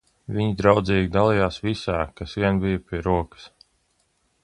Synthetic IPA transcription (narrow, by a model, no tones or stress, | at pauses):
viɲid̪ɾawd̪ziːɡʲid̪alˠijaːsvisaːkasviɛnbijɐpiɛɾuɔkə̥s